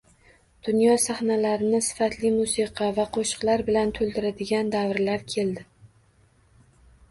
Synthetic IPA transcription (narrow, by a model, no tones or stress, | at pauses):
d̪̥ʊnjɒsaχnalaɾɪnɪsɪ̥fat̪lɪmusiqʰɑvaqʰoʃɨ̥qlˠaɾbɪlant̪ʰolˠd̪ɪɾad̪ɪɡʲand̪avɾlaɾkʲʰe̞ld̪ɪ